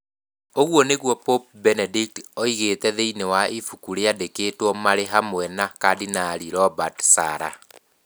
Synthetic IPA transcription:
oɣwɔneɣwɔpop̚bɛnɛdik̚tɔiɣetɛðeinewaʔifukuɾeadekeːtwɔmaɾeɦamwɛnakadinaɾiɾɔbatsaɾa̰

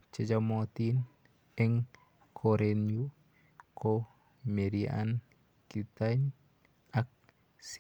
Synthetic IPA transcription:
t͡ʃed͡ʒamot̪in | ɛŋ | kʰoɾenju | kʰo | meɾia̰n | kit̪aɲ | ak̚ | s

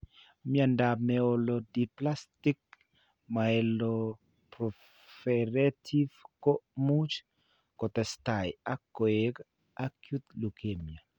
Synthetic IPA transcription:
mjandamɛolodiplastik̚ | maelo | pɾɔ | fɛɾetʰifkomut͡ʃ | kot̪ɛstajakːoek | akjut̪lukʰemja

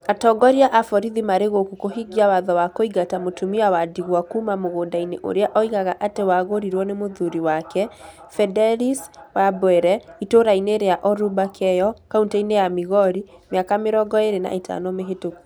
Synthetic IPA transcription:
atɔːɡɔɾiaʔafɔɾiðimaɾeɣokukoɦiɡiawaðɔwakoiɡatamotumiawadiɣwakumamoɣoːndaineʔo̰ɾeaʔɔiɣaɣaʔatewaɣoɾiɾwɔnemoðuɾiwakɛ | fɛdɛliswabwɛɾɛitoɾaineːɾejaʔɔɾubakʰɛjɔkauntainejamiɣɔɾimeakameɾɔɡɔeɾena̰ʔetʰa̰nɔmeɦetoku̥

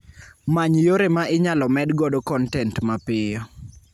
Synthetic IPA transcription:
maɲjoɾemaʔɪɲalɔmɛdɡɔdokɔntɛntmapɪjɔ

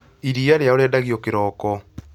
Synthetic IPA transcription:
iɾiaɾeaoɾɛːndaɣjɔkeɾɔːkɔ

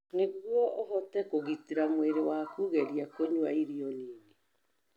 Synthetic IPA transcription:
neɣwɔʔoɦɔtɛkoɣitiɾamweɾewakuːɣeɾiakoɲuaiɾiɔniːŋe

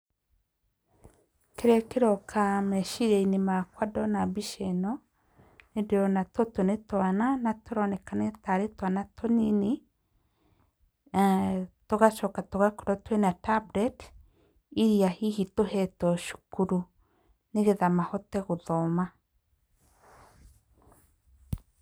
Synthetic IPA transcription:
keɾɛkeɾɔkʰamɛʃiɾeinemakwadɔnabiʃɛnɔ | nedeɔnatɔtonetwananatoɾɔnɛkanetaɾetwanatɔnine | tɔɣaʃɔkatɔɣakoɾɔtwɛnatabɾɛt | iɾiahihitohɛtɔʃu̥kuɾu | neɣeðamahɔtɛɣoðɔma

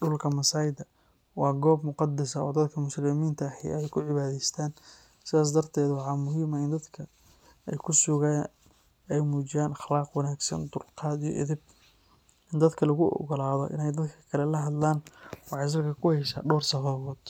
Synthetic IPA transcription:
ɖʊlkʰɐmɐsaːjɪd̪ɐ | wɑːɡɔːb̚mʊqɑd̪ɐsɐɔːd̪ɐd̪kʰɐmʊslɪmiːnt̪ʰɐːhɪ̰ɛjkʰʊʕɪβaːðɛjst̪ʰaːn | sɪðaːs̬d̪ɐrt̪ʰɛːd̪wɑħɑːmʊɦiːmɐɪnd̪ɐd̪kʰɐ | ɛjkʰʊsʊɣa | ɛjmuːt͡ʃɪjaːnɑχlɑːqwɑnaːɡsɐ̰nd̪ʊlqʰɑːd̪ijɔ̰ʔɪ̰ðɪb̚ | ɪnd̪ɐd̪kʰɐlɐɣʊʔɔ̰ɣɔlaːðɔ̰ʔɪ̰nɛjd̪ɐd̪kʰɐ̥kʰɐlɛlɐɦɐd̪laːnwɑħɑjs̬ɐlkʰɐkʰʊhɛʃɐ̰ːɖɔːrsɐfɐβɔːd̪̥

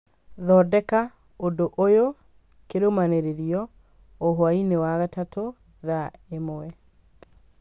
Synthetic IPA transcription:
ðɔdɛka | odoʔojo | keɾomaneɾeɾiɔ | oɦoainewaɣatato | ðaemoɛ

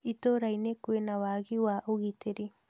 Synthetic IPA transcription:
it̪oɾajnekuenawaɡiwaʔoɣit̪eɾi

